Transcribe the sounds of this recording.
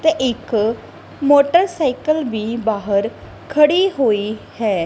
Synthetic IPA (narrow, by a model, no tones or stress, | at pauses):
t̪eːʔɪk | moːʈəɾsaːɪkəlʋiːbaːɦəɾ | kʰəɽiːɦoːiːhɛː